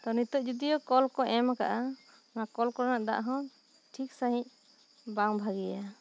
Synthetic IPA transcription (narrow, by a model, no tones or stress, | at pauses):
t̪ɔnit̪ɔʔd͡ʒud̪ijɔkɔlkɔʔɛmaka̰ʔa | nakɔlkɔɾanaʔd̪a̰ʔɦɔ̃ | ʈʰiksaɦĩc̚ | baŋbʱaɡija